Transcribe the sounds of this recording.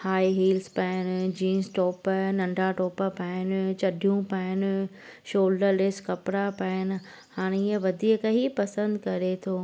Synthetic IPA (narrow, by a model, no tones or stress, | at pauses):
haːiɦiːlspaɪnɪ̆d͡ʑiːnsʈɔːpnɐ̃ɳɖʱaʈoːpəpaːɪnɪt͡ɕɐɖʱijũpaːɪnɪ | ʃoːlɖəɾɗɪskɐpɽapaːɪnɪ̆ | haːɽ̃eiːə̃ʋɐd̪ʱiːkɐɦipɐsə̃nd̪kɐɾet̪ʰoː